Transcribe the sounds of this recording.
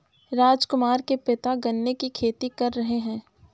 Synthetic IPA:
ɾaːd͡ʒkʊmaːɾkepɪt̪aɡɐnːekikʰeːt̪ikɐɾːɐɦeɦɛ̃ː

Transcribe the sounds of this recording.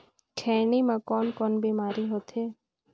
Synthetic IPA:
kʰɛːnimãkɔːnkɔːnbiːmaːɾiɦoːt̪ɦeː

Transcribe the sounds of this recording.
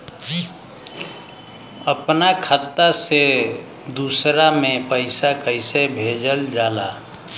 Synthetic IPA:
əpnakʰət̪ːase | d̪usɾamepəɪsakəɪsebʱed͡ʒəld͡ʒala

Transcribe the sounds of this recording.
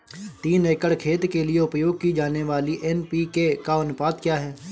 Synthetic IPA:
t̪iːneːkəɽkʰeːt̪kelieʊpjoːɡ̚kid͡ʒaːneʋaːliʔɛnpikekaɐnʊpaːd̪kjaːɦɛː

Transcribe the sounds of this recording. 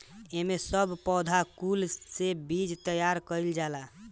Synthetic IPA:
emesəbʱpɔd̪ʱakulsebid͡ʒt̪əjaɾkəjld͡ʒala

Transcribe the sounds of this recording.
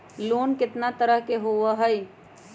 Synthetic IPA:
loːnkɪt̪nat̪əɾəɦkeɦoəɦəj

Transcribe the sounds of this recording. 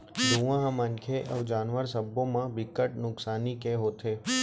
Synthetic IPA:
d̪ʱuʋãɦmənkʰeʔəʋd͡ʒaːnʋəɾsəbõmãbɪkəʈ̚nʊksaːnikeɦoːt̪ʰeː

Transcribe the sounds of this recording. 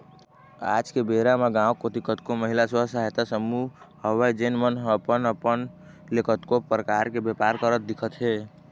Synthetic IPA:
a̰d͡ʒkebeɾameɡãokot̪ikət̪koməɦilasəsaɦet̪asəmu | həwajd͡ʒenmənɦəpənəpən | lekət̪kopɾəkaɾkebjepaɾkəɾət̪̚d̪ikʰət̪ɦe

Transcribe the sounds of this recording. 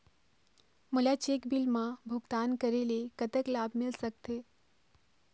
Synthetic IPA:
mulat͡ʃekbilmãbʱʊɡt̪ankəɾelekət̪əklabmɪlsək̚t̪e

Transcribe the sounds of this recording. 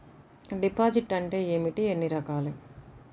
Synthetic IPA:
ɖipaːd͡ʒiʈɐɳʈe̞ːeːmiʈienːiɾɐkaːlu

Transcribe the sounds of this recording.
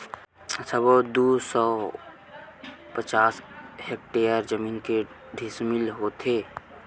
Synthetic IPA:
səbod̪usɔ | pət͡ʃaːshek̚ʈeəɾd͡ʒəmiːnke | ɖʱismilɦot̪ʰeː

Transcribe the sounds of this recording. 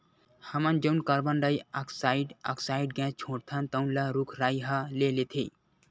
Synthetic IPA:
həmənd͡ʒənkəɾbənɖəjakʰsaiɖə̰kʰsaiɖɡɛ̃t͡ʃʰõɽt̪ʰənt̪əwnlaɾukʰɾajɦə̃lelet̪ʰe

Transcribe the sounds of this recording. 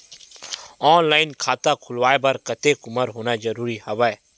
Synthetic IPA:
ɔːnlaːɪnkʰaːt̪akʰʊlʋaːebɐɾkət̪ekʊməɾɦoːnad͡ʒəɾuːɾihɐʋae

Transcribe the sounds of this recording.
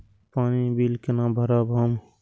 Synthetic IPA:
paːnibiːlkenãːbʱəɾabɦəm

